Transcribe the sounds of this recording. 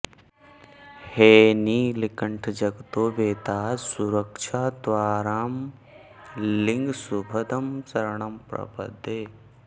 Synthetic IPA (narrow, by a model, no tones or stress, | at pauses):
heːniːlikəɳʈʰd͡ʒɐɡt̪oːbeːt̪aːsuɾəkʃʰaːd̪ʋaːɾaːm | lɪ̃ŋɡsubʱɐd̪ɐmsɐɾɳɐmpɾɐ̰bə̰d̪ʱeː